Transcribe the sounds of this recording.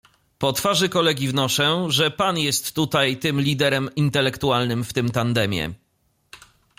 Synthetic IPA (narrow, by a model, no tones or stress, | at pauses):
pɔt̪faʐɘkɔlɛɡʲivnɔʂɛʐɛpanjɛst̪ːut̪ajt̪ɘmlʲid̪ɛɾɛmint̪ɛlɛkt̪ualnɘmft̪ɘmt̪and̪ɛmʲjɛ̰